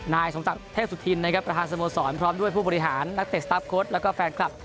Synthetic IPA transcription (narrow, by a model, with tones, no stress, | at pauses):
naː˧jso˩˦msa˨˩kt̪ʰe˥˩su˨˩t̪ʰi˧nːa˦˥kʰa˦˥pːɾa˧t̪ʰaː˧nsoː˧moː˧sɔː˩˦npʰɾɔː˦˥mdu˥˩əjpʰuː˥˩bɔː˧ɾi˧˥ɦaː˩˦nːa˦˥k̚t̪e˨˩st̪a˦˥p̚kʰoː˦˥t̪̚lɛː˦˥wkɔː˥˩fɛː˧nkʰla˨˩p̚